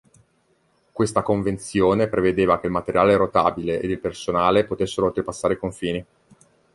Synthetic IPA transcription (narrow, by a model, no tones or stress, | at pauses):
kwest̪akoɱvent̪sjoːnepɾʔeved̪eːvak̟eilmat̪eɾjaːleɾot̪a̰ːbileʔḛd̪ilpersonaːlepot̪esːeɾoːlt̪ɾepasːaːɾeikoɱfiːni